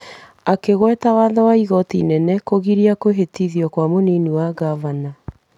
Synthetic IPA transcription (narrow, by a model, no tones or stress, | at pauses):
akeɣwɛtawaðɔwaiɣɔtḭnɛnɛkoɣiɾiakoɦetiðjɔkwamoniniwaɣavana